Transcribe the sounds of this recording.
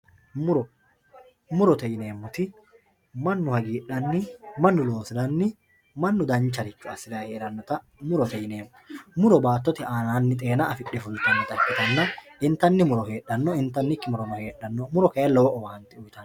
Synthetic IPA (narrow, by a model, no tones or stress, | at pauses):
mʊɾɔ | mʊɾɔt̪ɛjɪne̞ːmːʊt̪ɪ | mɐnːʊhɐɡiːɗɐnːɪmɐnːʊlo̞ːsɪd̪ɐnːɪ | mɐnːʊd̪ɐnt͡ʃːɐɾɪt͡ʃːʊɐsːɪd̪aheːɾɐnːɔt̪ɐ | mʊɾɔt̪ɛjɪne̞ːmːɔmʊɾɔbaːt̪ːɔt̪ɪaːnaːnːɪt̪ʼe̞ːnɐːfɪɗːɛfʊnt̪ːɐnːɪt̪ʼɐkːɪt̪ɐnːɐʔɪnt̪ːɐnːɪmʊɾɔhe̞ːɗːɐnːɔɪnt̪ːɐnːɪkːɪmʊɾɔnɔhe̞ːɗːɐnːɔmʊɾɔkɐjɐlɔwɔʔɔwaːnt̪ɪʊjt̪ɐn